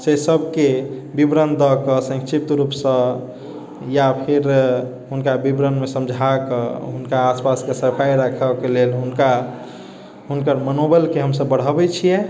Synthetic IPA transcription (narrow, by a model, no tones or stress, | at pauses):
sesəbʱke | bibɾənd̪ɔkəsə̃ŋkʃip̚t̪ɾupsə̃ | japʰiɾ | ɦunkabibɾənmesə̃md͡ʒʱakə̰ɦunkaːspaskesəɾpʰajɾəkʰəkelelɦunka | ɦunkəɾmənobəlkeɦəmsəbːəɽ̤ɦəbɛt͡ʃʰijɛ